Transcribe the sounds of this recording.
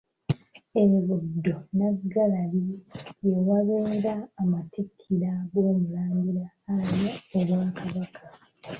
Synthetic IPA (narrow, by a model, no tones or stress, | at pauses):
eβudːo̞naɡalalijewaβeːɾaːmatikʰːiɾaɡwo̞ːmulaːŋɡulaːɾjoːβwaːkaβakʰa